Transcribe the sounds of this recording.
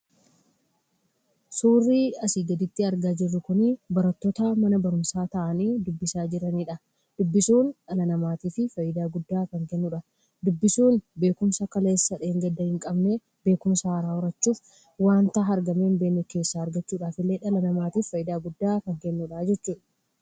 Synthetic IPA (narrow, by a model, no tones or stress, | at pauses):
suːrːiːɐsiːɡɐd̪ɪt̪ːɪɐɾɡaːd͡ʒɪrːʊkʊnibɐɾɐt̪ːoːt̪amɐnɐbɐɾʊmsaːt̪ɐʔɐniːd̪ʊbːɪsaːd͡ʒɪɾɐniːᶑɐ | d̪̥ʊbːɪsuːnᶑɐlɐnɐmaːt̪iːfɪfɐjɪd̪aːɡʊd̪ːaːkɐŋkɛnːuːᶑɐ | d̪ʊbːɪsuːnbe̞ːkʊmsɐkɐle̞ːsːɐᶑeːŋɡɐd̪ːɐhɪŋkʼɐbneː | be̞ːkʊmsɐhɐɾaːɔɾɐt͡ʃːuːf | waːnt̪ɐɐɾɡɐme̞ːnbe̞ːnːɛke̞ːsːaːɐɾɡɐt͡ʃːuːᶑaːfɪlːe̞ːᶑɐlɐnɐmaːt̪iːffɐjɪd̪aːɡʊd̪ːaːkɐŋkɛnːuːᶑaːd͡ʒɛt͡ʃːuːᶑɐ̥